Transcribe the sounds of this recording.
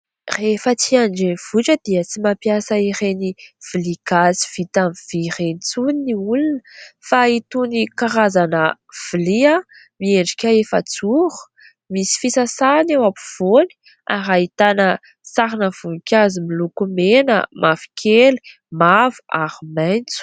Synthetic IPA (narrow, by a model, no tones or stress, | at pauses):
refət͡siaɳɖ͡ʐeniv̥uʈ͡ʂəd̪̥iət͡simapjasəiɾeniv̥ilikazi̥v̥it̪amiv̥iɾenit͡suniniulinəfait̪unikaɾazanə | v̥ilia | mieɳɖ͡ʐi̥kʲaefə̰t͡suɾu̥ | misi̥fisasanewapu̥v̥oni̥ | aɾait̪anə | saɾinəv̥unikʲazimilukumenə̰mʔafi̥kʲʰeli̥ | mavu̥aɾimajnt͡su̥